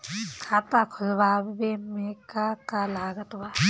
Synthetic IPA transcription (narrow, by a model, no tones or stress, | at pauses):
kʰaːt̪akʰʊlʋaːbbemekakalaːɡɐt̪wa